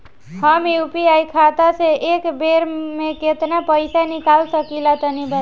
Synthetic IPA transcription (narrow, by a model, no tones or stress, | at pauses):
həmjupiajkʰat̪aseʔekbeɾmeket̪napəɪsanikalsəkilat̪ənibə